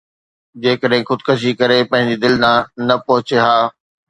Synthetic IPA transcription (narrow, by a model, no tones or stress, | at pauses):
d͡ʑeːkəɗɦɪ̃xʊd̪kʰəʃ̬ikɐɾepɐ̃ɦɪ̃ɲ̆d͡ʑid̪ɪlnãnɐpɐɦʊt͡ɕeɦaː